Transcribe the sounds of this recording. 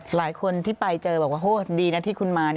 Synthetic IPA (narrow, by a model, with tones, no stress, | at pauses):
laː˩˦jkʰo˧nt̪ʰiː˥˩pa˧jt͡ɕɤː˧bɔː˨˩k̚waː˥ʔoː˧˥˩diː˧na˦˥t̪ʰiː˥˩kʰu˧nmaː˧n˥